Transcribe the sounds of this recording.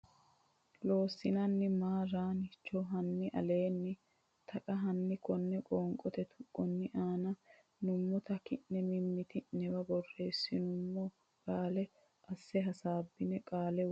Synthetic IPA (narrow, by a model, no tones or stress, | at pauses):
lo̞ːsːɪnɐnːɪmaːɾaːnɪt͡ʃːɔɦɐnːɪʔɐ̰le̞ːnːɪ | t̪ʰɐkʼɐɦɐnːɪkɔnːɛkʼɔːŋkʼɔt̪ɛt̪ʰʊkʼːɔnːɪʔaːnɐ | nʊmːɔt̪ɐkɪʔːɛmɪmːɪt̪ɪnɛbɐbɔrːe̞ːsːɪnʊmːɔ | kʼaːlɛ | ɐsːɛɦɐsaːbːɪnɛkʼaːlɛ